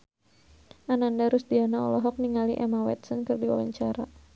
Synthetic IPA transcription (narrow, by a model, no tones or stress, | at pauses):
ʔanandaɾʊsd̪ianaɔ̰lɔɦɔk̚niŋaliʔɛmawɛ̰t̪sɔnkɨrdiwa̰la̰ɲt͡ʃaɾa